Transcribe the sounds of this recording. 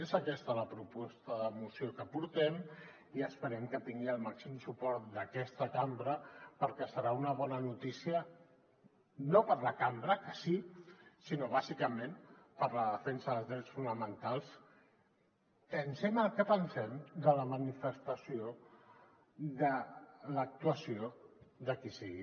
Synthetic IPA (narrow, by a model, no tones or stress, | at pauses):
ezəkɛst̪ələpɾupɔst̪əðəmusiokəpuɾt̪ɛm | iəspəɾɛmkət̪iŋɡiəlˠmaksimsupɔɾt̪̚d̪əkɛst̪əkambɾəpəɾkɛsəɾaunəβɔnənut̪isiə | nopəɾləkambɾəkəsisinoβ̞azikəmẽmpəɾləðəfɛnsəðəlzðɾɛt͡sfunəmənt̪alˠs | pənsɛməlˠkəpənsɛmd̪ələmənifəst̪əsio | ðələk̚t̪uəsioðəkisiɣi